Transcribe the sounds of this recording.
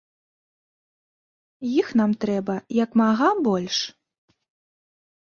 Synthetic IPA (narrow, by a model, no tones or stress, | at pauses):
jixn̪amt̪ɾɛbɐjɐkmaɣabɔlʲʂ